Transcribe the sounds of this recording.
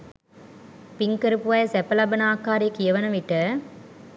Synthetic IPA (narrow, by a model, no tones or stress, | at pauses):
piŋkəɾupuʋɐjsɛpɐlɐbɐnaːkaːɾiɐkijɐʋɐnɐʋiʈə